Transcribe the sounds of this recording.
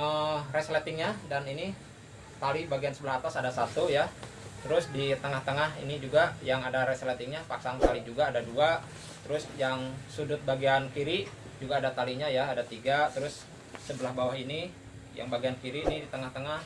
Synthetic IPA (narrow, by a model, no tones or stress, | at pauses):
ərɛslat̪ɪŋɲadanini | t̪alibaɡiansəbəlaɦat̪asadasat̪uja | t̪əɾʊsdit̪əŋaht̪əŋahḭnid͡ʒuɡajaŋadaɾɛslat̪ɪŋɲapaksaŋt̪alid͡ʒuɡaːdadua | t̪əɾʊsjaŋsudʊt̪̚baɡiankiɾi | d͡ʒuɡaːdat̪aliɲajaːdat̪iɡat̪əɾʊsː | əbəlahbawahini | ja̰ŋbaɡiankiɾiːnidit̪əŋaht̪əŋah